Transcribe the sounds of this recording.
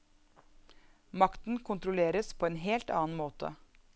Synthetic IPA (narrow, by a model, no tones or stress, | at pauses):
mɑkt̪n̩kʰʊnt̪ɾʊleːɾəspʰoːeːnɦeːlt̪ɑ̰ːn̩moːt̪ʰə̰